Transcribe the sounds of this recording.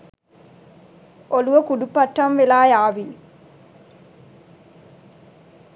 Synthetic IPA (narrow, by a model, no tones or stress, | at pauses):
ʔɔlɯʋɐkʊɽupːɐʈːɐmʋɪlaːjaːʋi